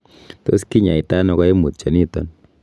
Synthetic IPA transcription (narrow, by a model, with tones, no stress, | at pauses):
to̰˦ski˦ɲa˨i˨ta˦nɔ˧kɔ˦e˦mu˨t̪̚t͡ʃa˨ni˦tɔ̰˦n